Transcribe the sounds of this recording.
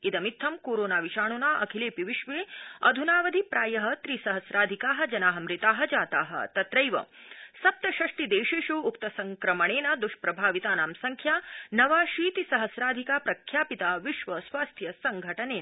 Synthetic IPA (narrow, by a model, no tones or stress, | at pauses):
id̪ɐmit̪ʰːɐmkoːɾoːnaːʋiʃaːɳ̃unaːʔɐkʰileːpiʋiʃʋeːɐ̰d̪ʱunaːʋɐd̪ʱipɾaːjɐɦɐt̪ɾisɐɦɐsɾaːd̪ʱikaːɦɐ̆d͡ʒɐnaːɦɐmɾit̪aːɦɐ̆d͡ʒaːt̪aːɦɐ̰t̪ɐt̪ɾɐjʋɐ̰ | sɐp̚t̪ɐʃɐʂʈid̪eːʃeːʃuːkt̪ɐsɐŋkɾɐmɐɳ̃eːnɐd̪uʃpɾɐbʱaːʋit̪aːnaːmsɐŋkʰjaːnɐʋaːʃiːt̪isɐɦɐsɾaːd̪ʱikaːpɾɐkʰjaːpit̪aːʋiʃʋɐsʋaːst̪ʰjɐsɐŋɡʱɐʈɐneːn